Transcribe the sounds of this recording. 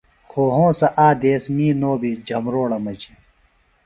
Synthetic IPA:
xoːɦõːsɐʔaːd̪eːsmiːnoːbid͡ʑʱɐmɾoːɽɐmɐd͡ʑi

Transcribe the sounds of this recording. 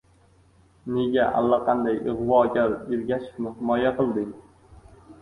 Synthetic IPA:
ne̞ɡʲaʔa̰lˠːaqʰɑnd̪ajɨʁvɒɡʲaɾeɾɡʲaʃɪ̥kmɪhɪmɒjaqʰɨlˠd̪ɪŋ

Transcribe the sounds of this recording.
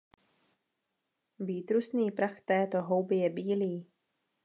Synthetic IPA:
viːt̪ɾusniːpɾaxt̪ɛːt̪o̞ɦo̞wbɪjɛbiːliː

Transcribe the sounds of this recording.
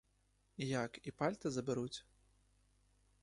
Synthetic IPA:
jakipalʲt̪ɐzɐbɨɾut͡sʲ

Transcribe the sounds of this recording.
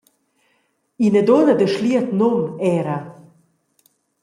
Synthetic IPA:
inəd̪onəd̪əʃliət̪nomɛɾa

